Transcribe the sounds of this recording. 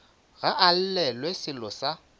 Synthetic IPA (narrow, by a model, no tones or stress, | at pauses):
ɣaʔal̩lɛlwesɪlɔsa